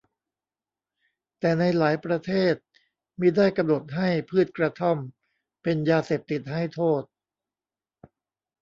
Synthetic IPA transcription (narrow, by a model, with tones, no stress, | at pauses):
t̪ɛː˨˩na˧jlaː˩˦jpɾa˧t̪ʰeː˥˩t̪̚ | miː˧daː˥˩jka˧mno˨˩t̪̚ɦa˥˩jpʰɯː˥˩t̪̚kɾa˧t̪ʰa˥˩m | pe˧njaː˧seː˨˩p̚t̪i˨˩t̪̚ha˥˩jt̪ʰoː˥˩t̪̚